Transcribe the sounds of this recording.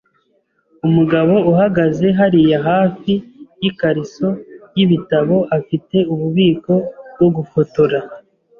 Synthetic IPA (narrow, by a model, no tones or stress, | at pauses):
umuɡaβo̞uɦaɡaze̞ɦaɾijaɦaːfijikaɾiso̞jiβitaβo̞ʔafite̞uβuβiːko̞bɡo̞ɡufotoɾa